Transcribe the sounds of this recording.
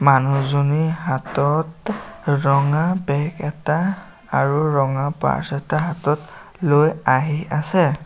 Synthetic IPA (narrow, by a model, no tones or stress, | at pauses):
manuzoniɦatɔtɹɔŋabɛkɛtaː | ɹuɹɔŋapa̰ɹsɛtaɦatɔt | lojaɦiʔasɛ